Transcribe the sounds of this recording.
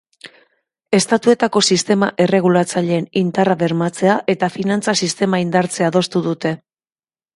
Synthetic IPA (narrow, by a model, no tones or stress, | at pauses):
e̞st̪at̪ue̞t̪ako̞sist̪e̞maʔe̞re̞ɣ̞ulat͡saʎe̞ːnint̪araβe̞ɾmat͡se̞aʔe̞t̪afinant͡sasist̪e̞maind̪aɾt͡se̞aðo̞st̪uðut̪e̞